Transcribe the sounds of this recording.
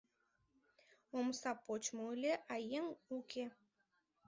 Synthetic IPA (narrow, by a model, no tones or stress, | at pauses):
omsɑpot͡ɕmolʲeʔɑjeŋukʰe